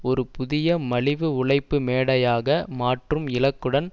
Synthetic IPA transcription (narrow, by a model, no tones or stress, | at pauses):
ɔɾɯpʊðɪjɐmɐɭɪʋɯʊɭɐɪpːɯmeːɽɐjaːɣɐmaːʈrɯmɪlɐkːɯɽɐn